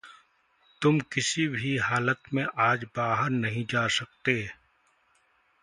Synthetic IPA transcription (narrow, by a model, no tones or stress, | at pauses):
t̪ʊmkɪsibʱiɦaːlət̪mẽʔaːd͡ʒbaːɦəɾnɐɦĩd͡ʒaːsɐk̚t̪eː